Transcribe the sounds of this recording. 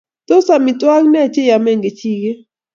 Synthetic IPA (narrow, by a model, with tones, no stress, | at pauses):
to˦sa˨mi˨tʼwa˦knɛ˦˨t͡ʃɛ˦ja˨mɛ˦˨ŋɡe˨t͡ʃʰiː˨kɛ˦